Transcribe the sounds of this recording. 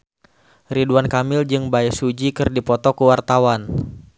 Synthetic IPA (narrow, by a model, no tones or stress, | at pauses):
riduankamɪld͡ʒɨŋbaɛsud͡ʒikɨrdipɔt̪ɔkəwart̪awan